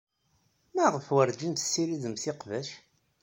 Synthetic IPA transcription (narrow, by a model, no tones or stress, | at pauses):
mæʁəfwəɾd͡ʒint̪sːiɾiðəmθɪqvæʃ